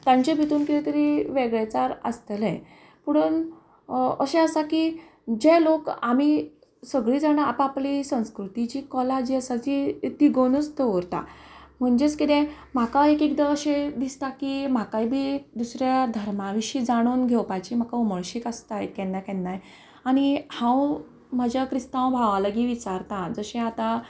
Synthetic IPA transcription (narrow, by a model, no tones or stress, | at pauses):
t̪aɲt͡ɕebʱit̪uːnkit̪et̪əɾiʋeɡɭet͡saɾə̰st̪əlɛ̰̃ | puɽ̃uːn | əɕẽəsaki | d͡ʑɛlokami | səɡɭiːd͡zaɽ̃aapaplisə̃w̃skɾut̪it͡ɕiːkɔlad͡ʑiːəsat͡ɕit̪iɡoñət͡st̪əʋɾt̪a̰m̤əɳd͡ʑet͡skit̪ɛ̃ | m̤akaekikd̪aəɕed̪ist̪akim̤akaibʱiːd̪usɾjad̪ʱəɾmaʋiɕiːd͡zaɽ̃uːnɡʱewpajt͡ɕim̤akauməɭɕiːkəst̪aekɛ̃nːakɛ̃nːaj | aɽ̃ihãw | m̤əd͡ʑjakɾist̪ãw̃bʱaʋaləɡiːʋit͡saɾt̪ãd͡zəɕɛ̃at̪a